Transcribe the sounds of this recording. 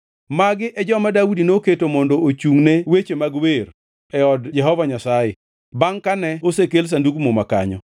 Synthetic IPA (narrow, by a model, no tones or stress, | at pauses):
maɡɪʔɛd͡ʒɔmadaudinoketomɔndoot͡ʃuŋnewet͡ʃemaɡweɾ | ɛɔdd͡ʒɛɦɔvaɲasajɪ | baŋkanɛosekels̬anduɡmomaka̰ɲɔ̰